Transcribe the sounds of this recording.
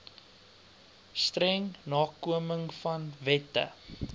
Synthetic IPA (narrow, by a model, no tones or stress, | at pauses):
strɛŋnɑːkuəməŋfɐnvɛtə̰